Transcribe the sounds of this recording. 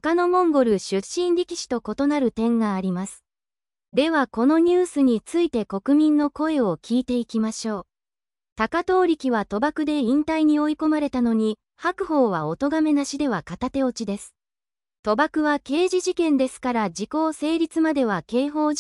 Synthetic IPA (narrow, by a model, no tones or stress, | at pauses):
okano̞mõ̞ŋɡo̞ɾɯ̟ɕɨɕĩnɾʲikʲi̥ɕi̥t̪o̞ko̞t̪o̞naɾɯ̟t̪ẽ̞ŋɡaːɾʲimasɨ̥ | d̪e̞βako̞no̞ɲ̟ɨːsɨɲ̟it͡sɨit̪e̞ko̞kɯ̟mʲĩnːo̞ko̞e̞o̞kʲiːt̪e̞ikʲimaɕo̞ː | t̪akat̪o̞ːɾʲikʲiβat̪o̞bakɯ̟d̪e̞ĩnt̪aiɲ̟io̞iko̞maɾe̞t̪ano̞ɲ̟i | hakɯ̟ho̞ːβao̞t̪o̞ɡame̞naɕid̪e̞β̞akat̪at̪e̞o̞t͡ɕid̪e̞sɨ̥ | t̪o̞bakɯ̟βake̞ːʑiʑikẽ̞nd̪e̞sɨ̥kaɾad͡ʑiko̞ːse̞ːɾʲit͡sɨmad̪e̞β̞ake̞ːɦo̞ː